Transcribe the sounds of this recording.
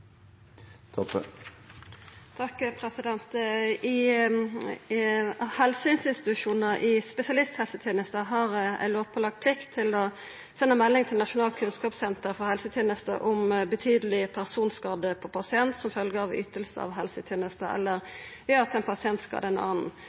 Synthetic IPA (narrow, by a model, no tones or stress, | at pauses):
t̪ʰɔpːə | t̪ʰɑkːpʰɾɛsɪd̪ɛnt̪ɪ | hɛlsəɪnsɪnst̪ɪ̥tɪt̪ʉʂuːnəʔɪspɛsɪɑlɪst̪hɛlsət̪ʰjeːnəst̪əɦɑɾæ̰ɪloːʋpʰɔlɑɡ̪̚pʰlɪkt̪ʰːɪlɔ | sɛnːəmɛlːɪŋt̪ʰɪlnɑʂʊnɑːlkʰʉnskɑːpsɛnt̪əɾfɔʁhɛlsət̪ʰeːnəst̪ə̰ʔʊmbət̪ʰyːd̪əlɪpʰæʁsuːnskɑːd̪əpʰɔpʰɑsɪɛnt̪sɔmfœlɡəɾɑʋʏt̪əlsə̰ɑ̰ʋɦɛlsət̪ʰjeːnəst̪əɛ̰lːəʁʋɛɑt̪ɛnpʰɑsɪɛnt̪skɑ̰ːd̪əɛnɑ̰ːnn̩